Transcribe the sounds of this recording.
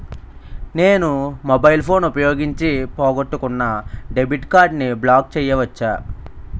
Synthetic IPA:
ne̞ːnumobɐjlpʰo̞ːnupɐjo̞ːɡiɲt͡ʃipoːɡoʈːukunːɐɖe̞biʈkaːɾɖniblaːk̚t͡ʃɛːjɐʋɐt͡ʃːaː

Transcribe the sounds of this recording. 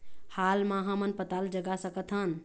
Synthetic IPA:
halmaɦãmənpət̪ald͡ʒəɡasəkət̪ɦən

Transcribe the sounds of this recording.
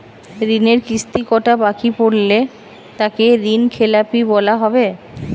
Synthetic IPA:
ɾineɾkɾist̪ikɔʈabakipoɽle | t̪akeɾinkʰelapibɔlaɦɔbe

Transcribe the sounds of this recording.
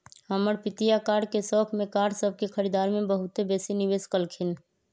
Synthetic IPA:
həməɾpɪt̪ijakaːɽkesɔːkʰmẽkaːɽsəb̚ʱkekʰəɾid̪aːɾmẽbəɦʊt̪ebeːsinɪʋeːskəlkʰɪn

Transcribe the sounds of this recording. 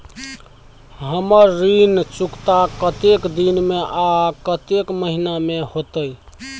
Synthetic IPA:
ɦəməɾːint͡ʃukt̪akət̪ekd̪inmeʔakət̪ekməɦinamehot̪əj

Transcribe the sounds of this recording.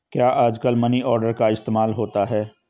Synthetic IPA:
kjaːʔaːd͡ʒkəlmɐniɔːɾɖəɾkaɪst̪eːmaːlɦoːt̪aɦɛː

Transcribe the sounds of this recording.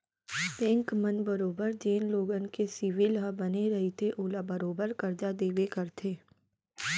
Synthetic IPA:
t̪ẽːŋkmənbəɾoːbəɾd͡ʒeːnloːɡənkesɪʋɪlɦabɐneɾɐɦit̪ʰeʔoːlabɐɾoːbəɾkɐɾd͡ʒad̪eːʋekɐɾt̪ʰeː

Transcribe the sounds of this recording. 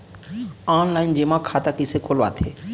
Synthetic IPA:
aːnlaːɪnd͡ʒeːmãkʰaːt̪akɪsekoːlʋa̰ːt̪ʰeː

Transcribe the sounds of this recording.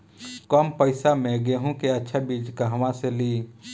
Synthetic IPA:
kɔːmpəɪsamẽɡeɦũkeɐtːʃʰabiːd͡ʒkaɦɐʋãseliː

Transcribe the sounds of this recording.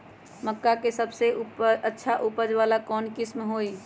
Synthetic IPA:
məkːakesəbsepətːʃʰaʔupəd͡ʒβalakɔːnkismɦoj

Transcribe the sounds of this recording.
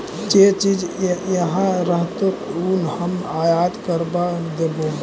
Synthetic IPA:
d͡ʒet͡ʃid͡ʒjəɦãɾəɦt̪ounhəmajad̪kəɾbad̪ebo

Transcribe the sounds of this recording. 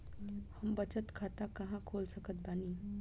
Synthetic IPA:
həmbət͡ʃət̪kʰaːt̪akɐɦãkʰoːlsəkət̪̚baːni

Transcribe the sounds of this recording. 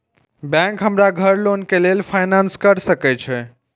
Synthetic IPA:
bɛ̃ŋkɦəmɾaɡʱəɾlonkelelpʰajnanskəɾsəkɛt͡ʃʰɛ

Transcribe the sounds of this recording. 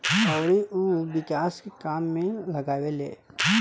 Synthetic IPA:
ɔːɾiʔuʋɪkaːskekaːmːẽlɐɡaːʋelḛː

